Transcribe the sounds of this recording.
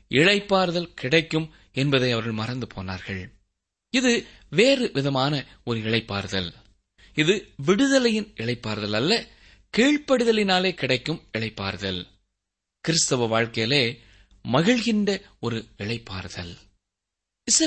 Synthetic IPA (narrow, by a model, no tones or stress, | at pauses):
ɪɭɐɪpːaːɾðɐlkɪɽɐɪkːɯm | ɛnbɐðɐɪɐʋɐɾɣɐɭmɐrɐnd̪ɯpʰoːna̰ːɾɣɐɭ | ɪðɯ | ʋeːrɯʋɪðɐmaːnɐ | ɔɾɯɪɭɐɪpːa̰ːɾðɐl | ɪðɯʋɪɽɯðɐlɐjɪnʔɪɭɐɪpːaːɾðɐlɐlːɐ | kiːɻpɐɽɯðɐlɪnaːleːkɪɽɐɪkːɯmɪɭɐɪpːa̰ːɾðɐl | kɪɾɪst̪ɐʋɐʋaːɻkɐjɐleː | mɐɣɪɭɣɪnɖɐ | ɔɾɯɪɭɐɪpːa̰ːɾðɐ̰l | ɪs